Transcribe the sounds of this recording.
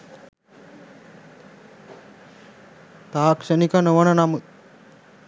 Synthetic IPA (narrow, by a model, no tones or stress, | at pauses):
t̪aːkʂənikənoʋənənamut̪̚